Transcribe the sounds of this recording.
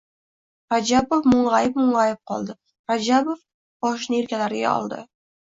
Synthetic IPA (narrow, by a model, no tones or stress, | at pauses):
ɾad͡ʒabofmʊɴʁajɪp̚mʊɴʁɑjɪp̚qʰɒ̰lˠd̪ɪ | ɾad͡ʒabof | bɒʃ̬nɪeɾkʲalaɾɪɡʲa̰ɒ̰lˠd̪ɪ̰